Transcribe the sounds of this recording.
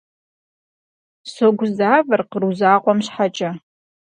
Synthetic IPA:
soɡʷʊzaːvɨrqruzaːqʷʼɔmɕħat͡ʃʼɐ

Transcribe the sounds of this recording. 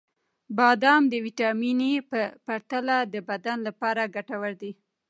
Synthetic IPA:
bɑd̪ɑmd̪əwiʈɑminipəpaɾt̪alad̪əbad̪anlapɑɾaɡaʈawəɾd̪i

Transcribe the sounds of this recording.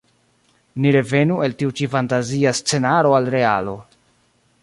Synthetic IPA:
niɾe̞ve̞nue̞ltiut͡ʃifantaziast͡se̞naɾo̞alɾe̞a̰lo̞

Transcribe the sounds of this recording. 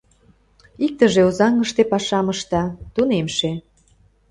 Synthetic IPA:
ik̚t̪əʒeozɑŋːəʃt̪epɑʃɑməʃt̪ɑt̪unemʃe

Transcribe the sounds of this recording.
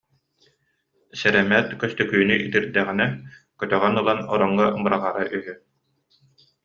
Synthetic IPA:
sɛɾɛmɛt̪kœst̪œkyːnyʔit̪iɾd̪ɛʁinɛkœt̪œʁœnɯlˠanɔɾɔŋːabɯɾaʁaɾaʔyɦy

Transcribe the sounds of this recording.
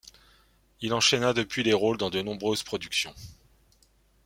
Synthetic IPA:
ilɑ̃ʃenad̪əpɥileʁold̪ɑ̃d̪ənɔ̃bʁøzpχɔd̪yksjɔ̰̃

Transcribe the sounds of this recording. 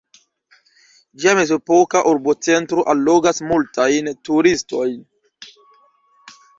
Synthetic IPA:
d͡ʒiamezopokaʔuɾbot͡sentɾoʔalːoɡasmultajntuɾistojn

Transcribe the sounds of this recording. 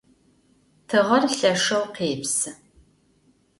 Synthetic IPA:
tʰɨʁɐrɬɐʂɐwqeːpsɨ

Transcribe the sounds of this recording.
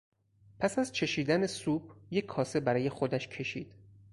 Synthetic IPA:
pʰæsæzt͡ʃʰe̞ʃiːd̪æne̞suːb̥je̞cʰːɒːse̞bæɾɒːje̞xod̪æʃcʰe̞ʃiːd̪̥

